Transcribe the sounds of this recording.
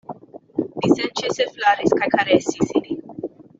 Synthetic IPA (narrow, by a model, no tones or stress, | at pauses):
bisɛnt͡ʃesɛflaɾiskakʰaɾesisini